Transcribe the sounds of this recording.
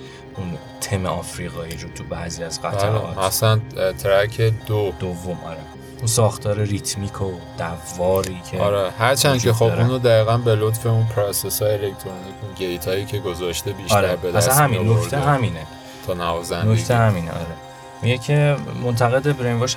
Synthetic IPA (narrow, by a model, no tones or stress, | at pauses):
ʔun | t̪ʰemeɒːfɾiːɣɒːiːɾot̪ʰubæ̰ziːæzɢæt̪ːɒ̰ːtæsænt̪ʰɾækʰed̪od̪̥ovːo̞mɒ̰ːɾe | unsɒːxt̪ʰɒːɾeɾit̪ʰmiːkʰod̪̥ævːɒːɾiːcʰeɒ̰ɾehæɾt͡ʃʰænd̪kʰexobʔuːnod̪æiːɣænbelot̪feunpʰɾosesɒːjeelekt̪ʰɾonikunɟejt̪ʰɒːiːkʰeɡozɒʃt̪ebiːʃːɾæɾbed̪æssænhæminnok̪ʰeɦæmiːne | t̪ʰonævɒzænokt̪ʰehæmiːnḛʔɒ̰ːɾe | mijecʰe̞mo̞nt̪ʰæɣe̞d̪ebɾenvoʃ